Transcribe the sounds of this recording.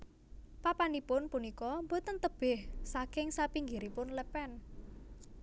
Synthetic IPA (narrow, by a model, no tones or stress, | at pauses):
papanipʊnpunikɔmbot̪ənt̪əb̥ɪhsakɪŋsapiŋɡiɾipʊnləpɛn